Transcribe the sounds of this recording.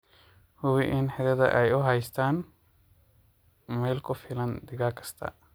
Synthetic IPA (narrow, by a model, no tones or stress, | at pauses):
hʊβɪʔɪnħɛðɐðɐ̰ʔɛjʊɦɛjst̪ʰaːn | mɛːlkʰʊfɪlɐnd̪ɪɣaːkʰɐ̥st̪ʰɐ̰